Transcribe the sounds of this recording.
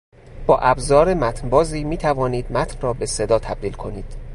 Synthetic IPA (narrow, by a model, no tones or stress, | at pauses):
b̥ɒːʔæbzɒːɾemæt̪ʰnbɒːziːmiːt̪ʰævɒːniːd̪̥̚mæt̪ʰnrɒːbe̞se̞d̪ɒːt̪ʰæb̥̚d̪iːlkʰo̞niːd̪̥